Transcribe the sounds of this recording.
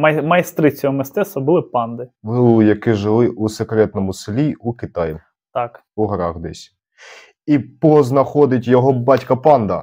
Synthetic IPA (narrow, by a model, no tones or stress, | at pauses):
ɐmɐjst̪ɾɪt͡sʲɔɦɔmɪst̪ɛst̪ʋɐbʊlˠɪpɑnd̪ɪujɐkɪʒɪlˠɪʔusekɾɛt̪nɔmʊsɪlʲiukɪt̪ɑjɪ | t̪ɑk | uɦɐɾɑxd̪ɛsʲ | ipɔznɐxɔd̪ɪtʲjɔɦɔbɑtʲkɐpɑnd̪ɐ̰